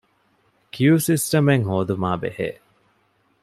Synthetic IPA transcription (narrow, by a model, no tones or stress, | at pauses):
kʰjuːsisʈɐmeŋɦoːd̪umaːbḛhḛː